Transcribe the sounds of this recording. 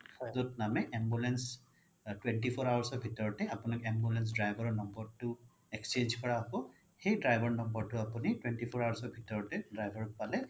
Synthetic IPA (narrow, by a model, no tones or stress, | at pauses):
zɔtnamɛʔɛmbulɛns | twɛntipʰɔɹawaɹsɔbʱitɔɹɔtɛapʊnakɛmbulɛns̬dɹajbʱɔɹɔnɔmbɔɹtʊ | ɛkst͡ʃend͡ʒkɔɹaɦɔkɔ | xejdɹajbʱɔɹnɔmbɔɹtʊapunitwɛntipʰɔɹawaɹsɔbʱitɔɹɔtɛdajbʱɔɹɔt̚palɛ